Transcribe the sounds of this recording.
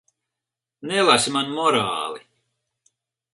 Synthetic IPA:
nɛlˠasimanmɔɾaːli

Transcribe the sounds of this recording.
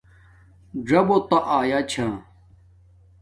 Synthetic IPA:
ɖɐbot̪ɐʔaːjaːt͡ɕʰãː

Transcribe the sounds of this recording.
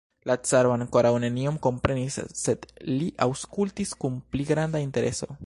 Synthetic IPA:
lat͡saɾoaŋko̞ɾawne̞niomko̞mpɾe̞nisːe̞d̪̥liʔawskultiskunpliɡɾandainte̞ɾe̞so̞̰

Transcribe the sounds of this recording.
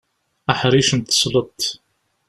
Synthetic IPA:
ʔaħɾiʃnt̪ə̥sˤlət̪ˤː

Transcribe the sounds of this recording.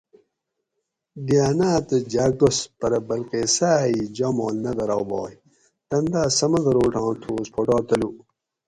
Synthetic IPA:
ɡaːnaːt̪əd͡ʑaːɡospɐɾɐbɐlqeːsaːid͡ʑamoːlnɐd̪ɐɾawbɑ̰ːj | t̪ɐnd̪aːsɐmɐd̪ɐɾoːʈãːt̪ʰoːspʰoʈaːt̪ɐlu

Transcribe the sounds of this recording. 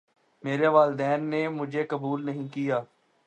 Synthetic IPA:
meːɾeʋaːlɪd̪ɛːnːemʊd͡ʒʱekɐbuːlnɐɦĩkijaː

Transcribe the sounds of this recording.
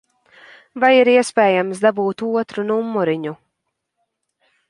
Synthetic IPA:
vajiɾiɛspʲɛːjamsd̪abuːt̪uɔt̪ɾunumːuɾiɲu

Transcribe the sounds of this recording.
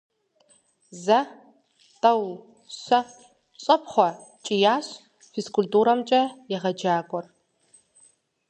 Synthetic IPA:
zɐ | tʰʼɐw | ɕɐ | ɕʼɐpχʷɔt͡ʃʼijaːɕ | fiskʼultʼuːɾɐmt͡ʃʼɐjɛʁɐd͡ʒaːkʷʼɔr

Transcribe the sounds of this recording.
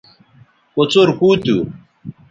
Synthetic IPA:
ot͡soɾkut̪ṵ

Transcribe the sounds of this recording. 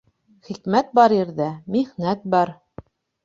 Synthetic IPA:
χikmæt̪̚bɑɾɘ̆ɾðæmiʁnæt̪̚bɑɾ

